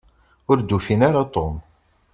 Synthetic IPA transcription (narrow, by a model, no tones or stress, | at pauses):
ʊɾd̪ufinaɾat̪ˤom